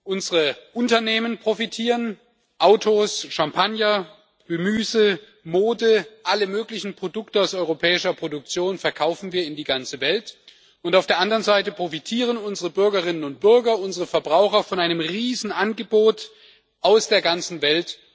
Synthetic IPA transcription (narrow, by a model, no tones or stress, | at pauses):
ʔʊnzəʁəʔʊntɐneːmənpʁ̥ofitʰiːʁən | ʔaʊtʰosʃampʰanjɐ | ɡ̥əmyːzə | moːdəʔaləmøːklɪçn̩pʁ̥odʊktəaʊsɔʏʁopʰɛːɪʃɐpʁ̥odʊk̚t͡sjoːnfɛɐkʰaʊfn̩viːɐɪndiːɡant͡səvɛlt | ʔʊntaʊfd̥eːɐʔandɐʁənzaɪtəpʁ̥ofitʰiːʁənʊnzəʁəbʏɐɡɐʁɪnənʊnt̚b̥ʏɐɡɐʔʊnzəʁəfɛɐbʁaʊxɐfɔnʔaɪnəmʁiːzn̩ʔanɡəboːt | ʔaʊsd̥eːɐɡant͡sn̩vɛlt